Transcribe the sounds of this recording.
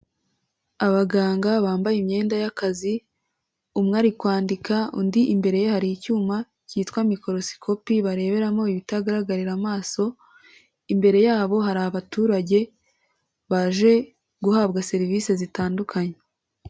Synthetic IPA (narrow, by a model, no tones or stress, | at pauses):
aβaɡaːŋɡaβaːmbajimɲe̞ːndajakazi | umŋaɾikwaːndikaṵndiʔimbe̞ɾe̞jehaɾijicuːma | ciːtwamiko̞ɾo̞si̥kʰo̞piβaɾe̞ːβe̞ɾamo̞iβitaɡaɾaɡaɾiɾamaːso̞ | imbe̞ɾe̞jaːβo̞ɦaɾaaβatuːɾaɟe̞ | βaʒe̞ | ɡuhaːbɡase̞ɾiviːse̞zitaːndukʰaɲe